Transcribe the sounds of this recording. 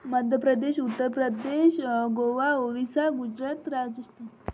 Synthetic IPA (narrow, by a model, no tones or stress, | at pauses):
məd̪ʱjəpɾəd̪eɕut̪ːəɾpɾəd̪eʃɡoʋaoʋisaɡud͡ʑɾat̪ɾad͡ʒəst̪ʰi